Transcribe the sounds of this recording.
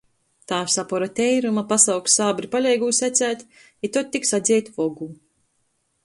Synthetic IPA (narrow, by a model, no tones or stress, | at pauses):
t̪aːsapɔɾat̪ɛjɾumapasawkssaːbɾipalʲɛjɡuːsæt̪sæːt̪ | it̪ɔt̪̚t̪ːiksad̪zʲɛjt̪ʲvɔɡuː